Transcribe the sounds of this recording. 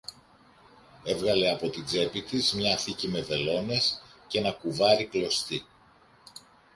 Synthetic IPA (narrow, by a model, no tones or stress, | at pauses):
e̞vɣɐle̞ɐpo̞t̪id͡ze̞pit̪izmɲɐθicime̞ve̞lo̞ne̞sce̞nɐkuvɐɾiklo̞st̪i